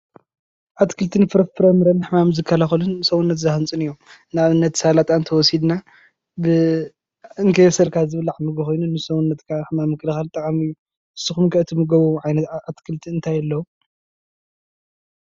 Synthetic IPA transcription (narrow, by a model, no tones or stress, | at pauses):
ʕat̪kʰɨlt̪ʰɨnfɨɾɐfɨɾɐmɨɾɐnħmamzɨkʰːɐlaxɐlɨnsɐwunːɐt̪zaxɨnt͡sʼɨnɨjːomnaβɨnːɐt̪salat̪ʼant̪ʰɐwɔsid̪na | bɨ | ɨŋkʰɐjsɐlkʰazɨβɨlʕamɨɡɨxo̞jnunːɨsɐwunːɐt̪kʰaħmamːɨkʰʼɨlɨxalt̪ʼɐkʼamɨjːu | ʔɨsːɨxumkʰɐʔɨt̪ʰɨmɨɡɐβuʕajnɐat̪kʰɨlt̪ʰiɨnt̪ʰajɐlːɐwu